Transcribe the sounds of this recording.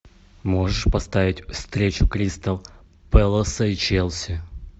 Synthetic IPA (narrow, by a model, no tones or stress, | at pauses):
moʐɨʂpɐst̪avʲɪtʲfst̪ɾʲet͡ɕʊkɾʲist̪əlˠ | pɛlˠəsəit͡ɕelˠsʲɪ